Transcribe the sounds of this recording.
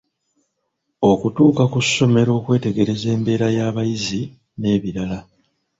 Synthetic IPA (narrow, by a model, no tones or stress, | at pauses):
o̞kutuːkakusːo̞me̞ɾo̞ːkwe̞ːte̞ɡe̞ɾe̞ze̞ːmbe̞ːɾajaːβajizi | ne̞ːβiɾala